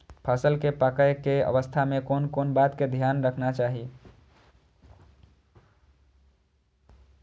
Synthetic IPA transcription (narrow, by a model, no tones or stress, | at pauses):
pʰəsəlkepakəjkeə̰ʋəst̪ʰamekonkonbat̪ked̪ʱjanɾəkʰnat͡ʃaɦi